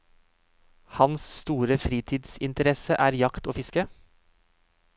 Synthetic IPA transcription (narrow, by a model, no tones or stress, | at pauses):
hɑnsst̪uːɾəfɾiːt̪ʰiːd̪sɪnt̪əɾɛsəʔæːɾjɑkt̪oːfɪskə